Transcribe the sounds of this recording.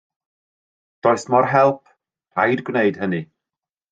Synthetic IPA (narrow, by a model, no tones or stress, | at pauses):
d̥ɔːɨsmɔrɦɛlˠpʰ | r̥a̰jdɡwneɨd̥hənɨ